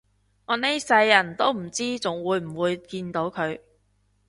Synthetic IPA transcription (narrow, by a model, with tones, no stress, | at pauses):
ŋɔː˨˧ne˥jsɐ˧jːɐ˨˩nt̪o˥wm̩˨˩t͡siː˥t͡sʊ˨ŋwuː˨˧jm̩˨˩wuː˨˧jkiː˧nt̪o˨˧˥wkʰɵ˨˧ɥ